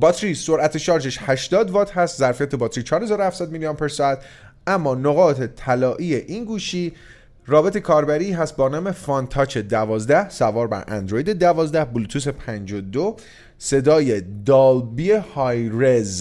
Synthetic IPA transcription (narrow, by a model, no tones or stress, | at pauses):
bɒːt̪ʰɾiso̞ɾʔæt̪ʰe̞ʃɒːɾd͡ʒeʃhæʃd̪ɒːd̪vɒːt̪hæst̪zæɾfijæt̪ʰe̞bɒːt̪ɾiːt͡ʃʰɒːɾhezɒːɾohæfsæːd̪̚milijonpʰeɾst̪ | æmːɒːnoɣɒːt̪ʰe̞t̪ʰælɒːʔiːeʔiːnɡuːʃiː | rɒːbe̞t̪ʰekʰɒːɾbæɾiːɦæst̪̚bɒːnɒːme̞fɒnt̪ʰɒːt͡ʃʰe̞d̪ævɒːzd̪æhsævɒːɾbæ̰ɾʔæ̰nd̪ɾo̞jid̪e̞d̪ævɒːzd̪æhbulut̪ʰuːs̬e̞pʰænd͡ʒod̪o | se̞d̪ɒːjed̪ɒld̪̚biehɒjɾez